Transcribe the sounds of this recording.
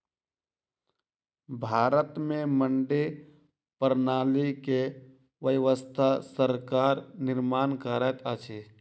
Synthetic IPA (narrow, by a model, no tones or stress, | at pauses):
bʱaːɾət̪mẽməɳɖe | pəɾnaːlike | ʋəʋəst̪ʰasəɾkaːɾnɪɾmaːnkəɾət̪ət͡ʃʰe